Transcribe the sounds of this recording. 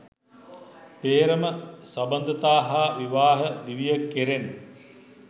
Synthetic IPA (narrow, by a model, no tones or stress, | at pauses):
peːɾəməsɐbɐnd̪ət̪aːɦaʋiʋaːɦəd̪iʋijəkːeɾen